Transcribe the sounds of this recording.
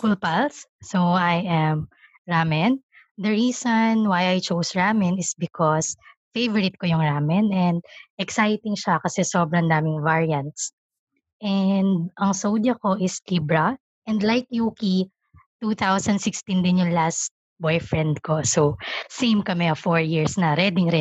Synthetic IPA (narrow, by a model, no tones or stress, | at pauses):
kulpɐlsːoʔajʔɛm | ɹamɛn | d̪ɐɹiːsonwajʔɐjt͡ʃowsɹaːmɪnɪsbɪkʰɔsfejvɔɾɪt̪̚kojʊŋɹaːmɛnɛnd̪̚ʔɛksajt̪ɪŋʃakɐsɛsobɾɐŋd̪aːmɪŋvaɹiɐnt̪̚s | ʔɛnd̪̚ʔɐŋsowd̪jɐko̞ʔɪsliːbɾɐ | ʔɛ̃nd̪lajk̚juki | t̪ut̪awsɐnd̪sɪkst̪ind̪ɪnjʊŋlast̪̚ | bɔjfɹɛ̃nd̪kososẽjmkɐmɛɐfɔɹjiɹsnɐɾɛd̪ɪŋɾɛ